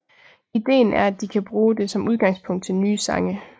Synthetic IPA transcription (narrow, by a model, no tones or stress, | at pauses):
id̥e̝̰ːnʔæɐæd̥ikʰæb̥ʁuːd̥e̝sɒ̽muð̞ˠɡ̥ɑ̈ŋspʰɔ̽ŋ̰d̥̚t͡sʰe̝lnyːsɑ̈ŋə